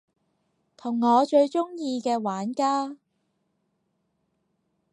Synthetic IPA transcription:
t̪ʰʊ˨˩ŋːɔː˨˧t͡ʃɵ˧ɥt͡ʃʊ˥ŋjiː˧kɛː˧waː˨˥nkaː˥

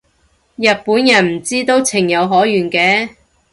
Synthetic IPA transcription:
jɐ˨t̚puː˨˥njɐ˨˩nm̩˨˩t͡siː˥t̪o˥wt͡sʰɪ˨˩ŋjɐ˨˧wɦɔː˨˥jyː˨˩nkɛː˨˥

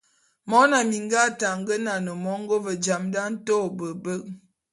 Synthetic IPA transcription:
mɔ˦na˨mi˨ŋɡa˦ta˨ŋɡə˦na˨nə˨mɔ˨˦ŋ˦ɡo˦və˨d͡ʒa˨mda˦n̩˦to˦˨bə˨bə˦ʔ̚

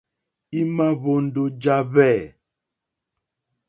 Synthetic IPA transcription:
i˦ma˦βo˦n̩˨˦do˦d͡ʒa˦βɛ˦˨

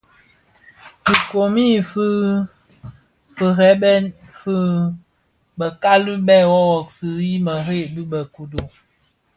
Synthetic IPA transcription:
ti˨ko˨mi˦˨f | fə˨ɦɛ˨˦bɛ˦fɨ˦ | bə˨ka˦lɨ˦bɛ˦˨wɔ˦ɣɔ˨ksɨ˨i˦mə˨ɦe˦˨bi˦bə˨ku˦do˨

